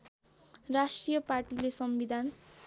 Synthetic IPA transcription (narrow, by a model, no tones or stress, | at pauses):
rasʈrijʌparʈilesʌmbid̪ʱan